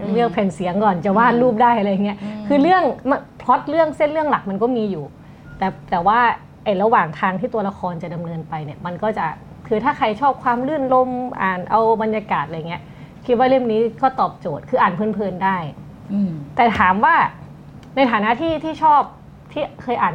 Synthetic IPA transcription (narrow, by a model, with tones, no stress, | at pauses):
lɯ˥˩ək̚pʰɛː˨˩nsi˨˩˦əŋkɔː˨˩nt͡ɕa˨˩waː˥˩nluː˥˩p̚daː˥˩jʔa˧ɾa˧jːa˨˩ŋːi˦˥ɐkʰɯː˧lɯ˥˩əŋma˧pʰlo˦˥t̪̚lɯ˥˩əŋse˥˩nlɯ˥˩əŋla˨˩k̚ma˧nkɔː˥˩miː˧juː˨˩ | t̪ɛː˨˩t̪ɛː˨˩waː˥˩ | ʔa˨˩jɾa˧waː˨˩ŋt̪ʰaː˧ŋt̪ʰiː˥˩t̪u˧ɐla˧kʰɔː˧nt͡ɕa˨˩da˧mnɤː˧npa˧jni˨˩əma˧nkɔː˥˩t͡ɕa˨˩ | kʰɯː˧t̪ʰaː˥˩kʰa˧jt͡ɕʰɔː˥˩p̚kʰwaː˧mlɯ˥˩nlo˧˥˩mʔaː˨˩nʔa˧wba˧nja˧kaː˨˩t̪̚ʔa˧ja˨˩ŋːi˦ɐ | kʰi˦˥t̪̚waː˥˩le˥˩mniː˦˥kɔː˥˩t̪ɔː˨˩p̚t͡ɕoː˨˩t̪̚kʰɯː˧ʔaː˨˩npʰɤː˧˥˩npʰɤː˧ndaː˥˩j | t̪ɛː˨˩t̪ʰaː˩˦mwaː˥˩ | na˧jt̪ʰaː˨˦naː˦˥t̪ʰiː˥˩t̪ʰiː˥˩t͡ɕʰɔː˥˩p̚ | t̪ʰiː˥˩kʰɤː˧jʔaː˨˩n